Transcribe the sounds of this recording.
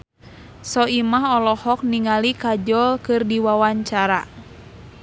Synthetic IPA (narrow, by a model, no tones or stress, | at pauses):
sɔimaɦɔlɔhɔk̚niŋalikad͡ʒɔlkɨrdiwawaɲt͡ʃaɾa